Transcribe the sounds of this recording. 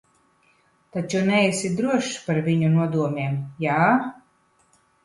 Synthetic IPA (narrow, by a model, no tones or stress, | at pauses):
t̪at͡ʃunɛjɛsid̪ɾuɔʃpaɾvʲiɲunuɔd̪uɔmʲiɛmjaː